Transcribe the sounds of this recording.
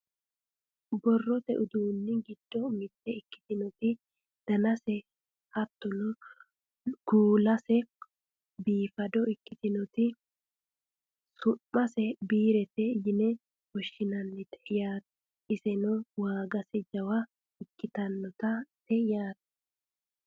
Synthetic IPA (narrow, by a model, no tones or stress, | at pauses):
bɔrːɔt̪ɛʔʊd̪uːnːɪɡɪd̪̥ːɔmɪt̪ːɛɪkːɪ̥t̪ɪnɔt̪ɪ | d̪̥ɐnɐsɛ | hɐt̪ːɔnɔ | ɡ̥uːlɐsɛ | biːfɐd̪ɔɪkːɪt̪ɪnɔt̪ɪ | sʊʔmɐsɛbiːɾɛt̪ɛjɪnɛ | wɔʃːɪnɐnːɪt̪ɛʔɪjaːt̪ | ɪsɛnɔwaːɡɐsɛd͡ʒɐwɐ | ɪkːɪt̪ɐnːɔt̪ɐt̪ɛɪjaːt̪̚